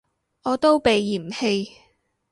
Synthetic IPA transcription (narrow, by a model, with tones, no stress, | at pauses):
ɔː˨˧t̪o˥wpe˨jːiː˨˩m̩˨he˧j